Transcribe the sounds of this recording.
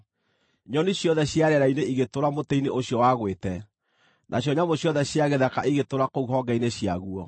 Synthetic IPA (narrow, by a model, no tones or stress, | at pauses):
ɲɔniɕjɔðɛɕjaɾɛɾaineiɣetoɾamoteineʔoɕjɔwaɣwetɛ | nʔaɕ̬jɔɲamoɕjɔðɛɕjaɣeðakaʔiɣetoɾakouɦɔɡaineɕjaɣuɔ